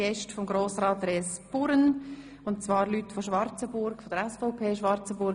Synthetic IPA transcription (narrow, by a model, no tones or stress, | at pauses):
ɛʃtfɔmɡɾoːsrɑːt̪reːsb̥ʊɾən | ʊntt͡svɑːɾlytfɔʃʋɑɾt͡səbʊɾkfɔd̥̪əɾɛsfɔʊpʰeːʃʋɑɾt͡səbʊɾ